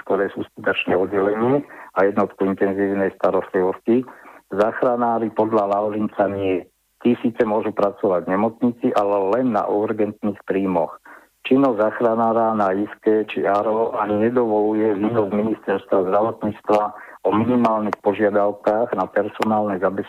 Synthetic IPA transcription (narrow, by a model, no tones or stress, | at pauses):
kt̪ɔɾɛːsuːskut̪ɔt͡ʃnɛɔd̪ɟɛlɛɲɪɛajɛd̪nɔt̪kuint̪ɛnziːʊnɛjst̪aɾɔst̪liʋɔscizaːxɾanaːɾipɔd̪ʎalaʊɾint͡saɲɪɛ | t̪iːsiːt͡sɛmʊɔʒupɾat͡sɔʋaɟɲɛmɔt͡sɲit͡siʔalɛlɛnːa̰ʔuɾɡɛnt̪niːxpɾiːmɔx | t͡ʃinɔzaːxɾanaːɾanajiskɛːt͡ʃiaɾɔʔaɲɲɛd̪ɔʋɔlujɛʋiːʋɔzminist̪ɛɾst̪ʋazd̪ɾaʋɔt̪ɲiːt͡st̪ʋaɔminimaːlnixpɔʒɪad̪aʊkaːɣnapɛɾsɔnaːlnɛzabɛs